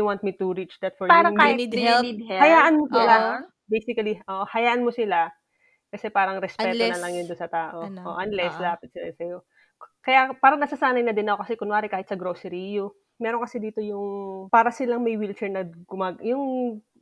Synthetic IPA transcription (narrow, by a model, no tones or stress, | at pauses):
uwãnt̪̚mit̪uɾit͡ʃd̪ɐt̪̚fɔɹaɾɐad̪ɛlhɐjaːʔɐnmosɪla | bejsɪkɐliʔoːʔohɐjaːʔɐnmosɪla | kɐsɛpaːɾɐŋɾɛspɛːt̪onɐlɐŋjʊnd̪ʊnsɐt̪aːʔo̞ʔo̰ʔɐnlɛsd̪aːpɐt̪̚sɪlasɐjo̞ | kɐjapaːɾɐŋnɐsɐsaːnɐjnɐd̪ɪnɐʔo̞kɐsɛkʊnwaːɾɪkaːhɪt̪sɐɡɾoːsɛɾijʊ | mɛːɾoŋkɐsɛd̪iːt̪o̞jʊŋpaːɾɐsɪlaŋmɐjwilt͡ʃɛɹnɐɡʊmaːɡjʊŋ